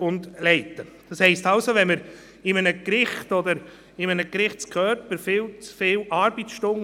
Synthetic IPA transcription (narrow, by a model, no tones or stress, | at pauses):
ʊnd̪lɛɪt̪ːəd̥ɑshɛɪstɑlsoʋɛnməɾ | ɪmənəkɾɪχtɔd̪əɾ | ɪmənəkɾɪχtskʰœːɾpəɾfɪlt͡sfɪwʔɑɾbit͡sʃtʊŋ